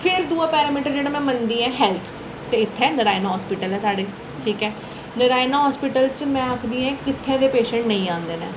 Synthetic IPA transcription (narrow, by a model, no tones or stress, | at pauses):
pʰɪɾd̪uːãːpɛːɾaːmiːʈəɾd͡ʒeːɽẽːmɛ̃ːmənd̪iːɛ̃ːɦɛːlt̪ʰ | t̪eːɪt̪ʰːɛːnəɾaːɪnaːɦɔːspɪʈəlɦɛːsaːɽeː | ʈʰiːkɛː | nəɾaːɪnaːɦɔːspɪʈəlt͡ʃmɛ̃ːakʰd̪iːɛ̃ːkɪt̪ʰːẽːd̪eːpeːʃə̃ɳʈnəĩːãːnd̪eːnḛː